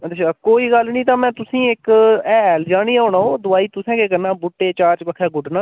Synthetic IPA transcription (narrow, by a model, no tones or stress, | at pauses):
əd̪et͡ʃakoːiːɡəlnĩːt̪̬ãːmɛ̃ːt̪ʊsĩːɪkɛːld͡ʒaːɽiːoːɳãːoːd̪ʊaːiːt̪ʊsɛ̃ːkeːkəɾnãːbʊʈːeːt͡ʃaːɾt͡ʃpəkʰɛːɡʊɖnãː